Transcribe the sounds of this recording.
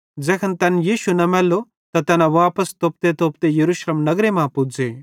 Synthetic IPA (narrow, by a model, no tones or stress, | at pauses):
d͡ʒɛːkʰənt̪ɛnjiːʃunɐmɛːlːo | t̪ɐt̪ɛːnãʋaːpəst̪oːp̚t̪et̪oːpt̪ejɐɾuːʃleːmnɐɡɾemãpʊd͡zeː